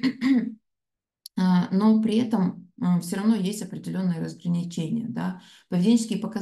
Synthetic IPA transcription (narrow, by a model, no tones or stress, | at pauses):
əno̞pɾʲɪɛt̪əməfsʲoɾɐvno̞jesʲtʲɐpɾʲɪdʲɪlʲo̞nːɨjəɾəzɡɾənʲɪt͡ɕenʲɪ̰jəd̪a | pəvʲɪdʲenʲːt͡ɕɪskʲɪjpəkɐ